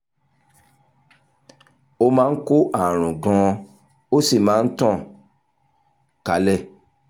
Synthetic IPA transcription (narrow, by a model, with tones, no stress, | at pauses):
o˧mãː˦ko˦ʔa˦˨ɾ̃ũ˨ɡɔ̃˨˧ | o˦si˦˨mãː˨˦n̩˦tã˦˨ | ka˨˦lɛ˦˨